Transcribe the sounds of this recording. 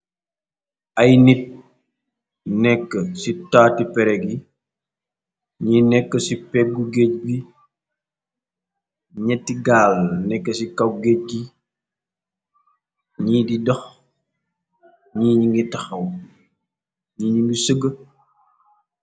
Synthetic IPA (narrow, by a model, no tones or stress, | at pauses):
ɐjnit̚ | nɛkːəsitaːtipɛɾɛɡi | ɲinɛkːəsipɛɡuɡec̚ɡi | ɲɛtːiɡaːlnɛkːəsikɐwɡec̚ɡi | ɲiːdidɔx | ɲiːɲiŋɡitɐxɐw | ɲiːɲiŋɡisəɡə